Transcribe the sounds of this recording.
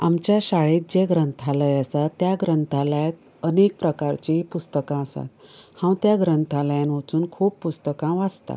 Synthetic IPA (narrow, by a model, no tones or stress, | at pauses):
amt͡ɕjaɕaɭet̪̚d͡ʑeɡɾənt̪ʰaləjəsat̪ːjaɡɾənt̪ʰaljat̪ | ənek̚pɾəkaɾt͡ɕipust̪əkãəsa̰t̪̚hãw̃t̪jaɡɾənt̪ʰaljãnʋət͡suːnkʰuːpːust̪əkãʋad͡zt̪a̰